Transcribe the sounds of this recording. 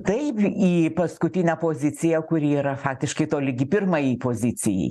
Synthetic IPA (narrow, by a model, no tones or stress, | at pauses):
t̪ɐɪpiːpɐskʊt̪ʲɪnʲɛæpoːzʲɪt͡sʲɪjɛkʊɾʲiːɾɐfɑːk̚t̪ʲɪʃkɐɪt̪oːlʲɪɡʲɪpʲɪrmɐjiːpoːzʲɪt͡sʲɪjɛ̰ɪ